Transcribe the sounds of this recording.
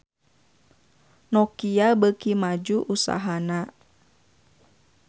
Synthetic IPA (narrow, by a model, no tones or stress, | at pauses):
nɔkiabəkimad͡ʒuʔusa̰ɦana